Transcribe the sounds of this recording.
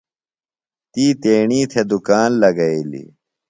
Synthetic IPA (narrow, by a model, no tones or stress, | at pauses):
t̪iːt̪eːɳiːt̪ʰed̪ukaːnlɐɡɐilḭ